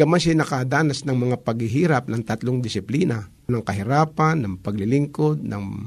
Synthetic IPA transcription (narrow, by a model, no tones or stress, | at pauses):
ɡɐmaʃɪnɐkɐd̪aːnɐsnɐŋmɐŋapɐɡhɪɦiːɾɐp̚nɐŋt̪ɐt̪loŋd̪ɪsɪpliːna | nɐŋkɐɦɪɾaːpanːɐŋpɐɡlɪlɪŋkod̪̚nɐ̰ŋ